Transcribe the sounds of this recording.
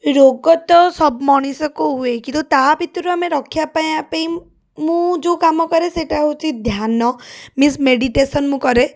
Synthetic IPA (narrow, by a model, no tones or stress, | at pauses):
ɾoɡɔt̪ɔsɔbmɔɽ̃isɔkuɦuekĩnt̪ut̪abʱit̪ɾuameɾɔkʰjapaj̃apaĩ | mũd͡ʒokamɔkɔɾeseʈaɦut͡ʃʰid̪ʱjanɔmismeɽiʈesɔnmũkɔɾe